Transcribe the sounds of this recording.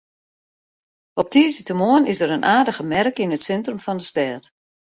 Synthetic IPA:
ɔp̚tʰiəsətəmoənɪsdəɾənʔaːdəɣəmɛrkɪnətsɛntrəmfɔndəstɛːt

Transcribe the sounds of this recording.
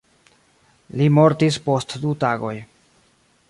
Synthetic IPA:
limo̞ɾtispo̞stdutaɡo̞̰j

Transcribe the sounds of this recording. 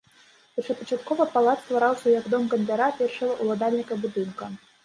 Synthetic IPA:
pɐt͡ʂɐt̪pɐt͡ʂat̪kɔvɐpalˠat̪st̪vaɾawsʲɐjaɡd̪ɔmɡɐnʲlʲaɾapʲɛrʂɐɣɐʔulˠad̪alʲnʲikɐbud̪ɨnkɐ

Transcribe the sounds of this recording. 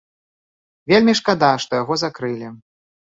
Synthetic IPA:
vʲelʲmʲiʂkad̪aʂt̪ɔjaɣɔzakɾɨlʲi

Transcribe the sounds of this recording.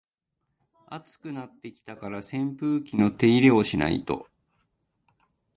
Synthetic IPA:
at͡sɨ̥kɯ̟nat̪ːe̞kʲi̥t̪akaɾasẽ̞mpɯːkʲino̞t̪e̞iɾe̞o̞ɕina̰ḭt̪o̞̰

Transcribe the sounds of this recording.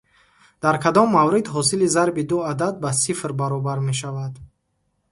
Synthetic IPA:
d̪̥aɾkʰad̪ɔmːavɾid̪ɦɔsilizaɾbid̪uad̪ad̪̚basifɾbaɾɔbaɾme̞ʃ̬avad̪

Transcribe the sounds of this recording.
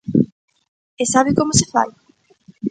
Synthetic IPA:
esaβɪkomose̥fa̰l

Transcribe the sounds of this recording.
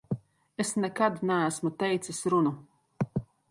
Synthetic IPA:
esnɛkad̪nææsmut̪ɛjt̪sisɾunu

